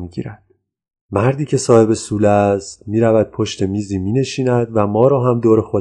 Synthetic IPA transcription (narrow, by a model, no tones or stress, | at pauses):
miɟḭːɾæd̪̥ | mæɾd̪iːcʰe̞sɒːhe̞be̞suːlæst̪miːɾævæd̪̥̚pʰoʃt̪e̞miːziːmiːne̞ʃiːnæd̪væmɒːɾɒːɦæmd̪oːɾe̞xo